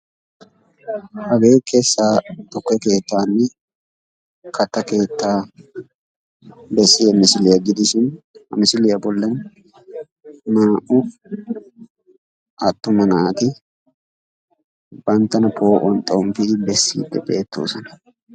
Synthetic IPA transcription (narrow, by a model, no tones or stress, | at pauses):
hɐɡeːkʰeːsːaːt̪ʼʊkːɛke̞ːt̪ːaːnːɪ | kʰɐt̪ːɐke̞ːt̪ːaː | bɛsːɪjɛmɪsɪlɪjɐɡɪd̪ɪʃɪnhɐ̰mɪsɪlɪjɐbɔlːɐn | naːʔʊ | ɐt̪ːʊmɐnaːt̪ɪ | b̥ɐnt̪ːɐnɐpʰo̞ːʔɔnt̪ʼomfɪbɛsːḭːd̪ːɛbe̞ːt̪ːo̰ːsɐnɐ̥